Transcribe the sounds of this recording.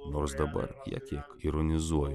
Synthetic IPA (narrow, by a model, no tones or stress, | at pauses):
nɔrsd̪ɐbɐ̰rjɐ̰kjakiɾɔnʲɪzuɔjɛ